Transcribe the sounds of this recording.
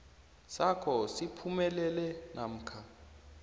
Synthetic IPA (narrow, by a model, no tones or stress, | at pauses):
sakʰɔsipʰumɛlɛlɛnam̩ːkʰa